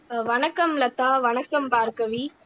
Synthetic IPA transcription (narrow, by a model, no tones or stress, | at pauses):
ʋɐnɐkːɐmlɐt̪ːaːʋɐɳɐkːɐmpaːɾkɐʋi